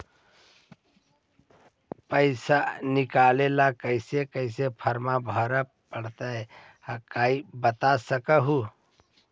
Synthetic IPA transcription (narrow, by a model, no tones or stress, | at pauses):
pəɪsanikalelakəɪsekəɪs̬epʰəɾmabʱəɾə | pəɽt̪ə | kaibət̪asəkəɦu